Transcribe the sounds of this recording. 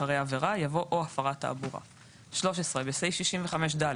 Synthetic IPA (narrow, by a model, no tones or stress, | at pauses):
aʁejaveʁajavo̞ʔoafaʁata̰ːbuʁa̰ | ʃlo̞ʃe̞sʁebesejʃiʃimveχameʃ̬dal